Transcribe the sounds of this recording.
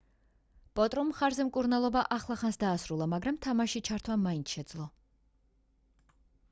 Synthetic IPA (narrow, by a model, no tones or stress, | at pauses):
pʼɔt̪ʼɾɔmχaɾzɛmkʼuɾnalˠɔbaʔaχlˠaχansd̪aːsɾulˠamaɡɾamt̪ʰamaʃit͡ʃʰaɾt̪ʰwamaint̪sʃɛd̪zlˠɔ